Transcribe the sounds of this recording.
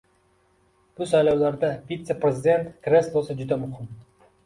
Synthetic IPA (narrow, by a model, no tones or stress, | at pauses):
b̥ʊsajlawlaɾd̪avit̪se̞pɾe̞zɪd̪e̞nt̪kɾe̞slˠosɪd͡ʒʊd̪amʊhɪm